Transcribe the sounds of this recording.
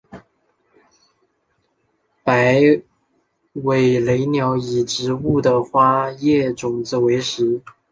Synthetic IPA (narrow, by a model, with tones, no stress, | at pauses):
pa˧˥ɪ | we˨˩ɪle˧˥ɪnjɑ˧˥ʊi˨˩ʈ͡ʂɻ̩˧˥u˥˩d̪ə˨˩xwa˥jɛ˥˩ʈ͡ʂʊ˨˩ŋd͡z̩˧˩we˧˥ɪʂɻ̩˧˥